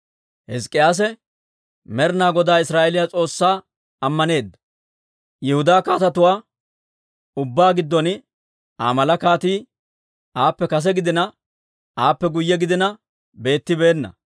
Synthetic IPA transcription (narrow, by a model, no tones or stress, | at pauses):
hɛskʼɪjaːs̬ɛ | mɛɾnaːɡɔd̪aːɪsɾaːʔɛlɪjat͡sʼo̞ːsːaː | ɐmːɐne̞ːd̪ːɐ̥ | jɛhʊd̪aːkaːt̪ɐt̪ʊwaː | ʊbːaːɡɪd̪ːɔn | aːmɐlɐkaːt̪iː | aːpːɛkɐs̬ɛɡɪd̪ɪnɐ | aːpːɛɡʊjːɛɡɪd̪ɪnɐ | be̞ːt̪ːɪbe̞ːnːɐ̰